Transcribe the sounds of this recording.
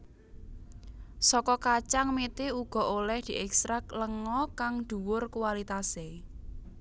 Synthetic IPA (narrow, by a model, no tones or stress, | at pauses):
sɔkɔkat͡ʃaŋmet̪euɡ̥ɔ̤ʔolɛhd̪̥i̤ʔɛkst̪ɾakləŋɔkaŋd̪̥ṳwʊrkuwalit̪ase